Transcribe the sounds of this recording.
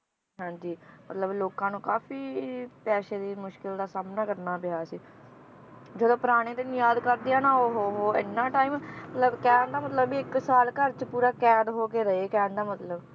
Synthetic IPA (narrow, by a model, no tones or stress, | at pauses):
ɦãːɲd͡ʒiːmət̪ləbloːkãːnũːkaːfʰiːpɛːʃeːd̪iːmʊʃkɪld̪aːsaːmnaːkəɾnaːpɪjaːsiː | d͡ʒəd̪õːpəɾaːɽ̃eːt̪eːnũːjaːd̪kəɾd̪ɪjaːnaːoɦoːɦoːɪ̰nːãːʈaːiːmmət̪ləbkɛːnd̪aːmət̪ləbiːɪksaːlkəɾt͡ʃpuːɾaːkɛːd̪ɦoːkeːɾəeːkɛːnd̪aːmət̪ləb